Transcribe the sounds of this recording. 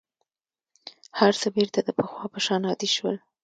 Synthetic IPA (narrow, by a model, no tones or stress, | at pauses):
haɾsəbeɾt̪ad̪əpəxwɑpəʃɑnɑd̪iʃwəl